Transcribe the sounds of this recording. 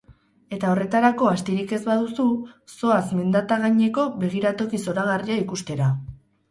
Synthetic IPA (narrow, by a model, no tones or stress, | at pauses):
e̞t̪ao̞re̞t̪aɾako̞ast̪iɾike̞zβaðususo̞asme̞nd̪at̪aɣaɲe̞ko̞βe̞ɣ̞iɾat̪o̞kiso̞ɾaɣ̞ariaikust̪e̞ɾa